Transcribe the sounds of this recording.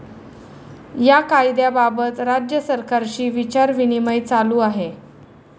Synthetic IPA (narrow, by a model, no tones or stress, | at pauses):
jakajd̪jababət̪ɾad͡ʑjəsəɾkaɾɕiːʋit͡ɕaɾʋiniməjt͡saluːaɦe